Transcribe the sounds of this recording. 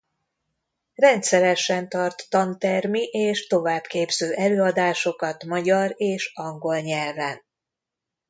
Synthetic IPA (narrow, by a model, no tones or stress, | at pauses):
rɛnt̪sɛɾɛʃɛnt̪ɒrt̪ːɒnt̪ɛrmiʔeːʃt̪o̞vaːbkeːbz̥øːʔɛløːɒd̪aːʃo̞kɒt̪mɒɟɒɾeːʃɒŋɡo̞lɲɛlvɛn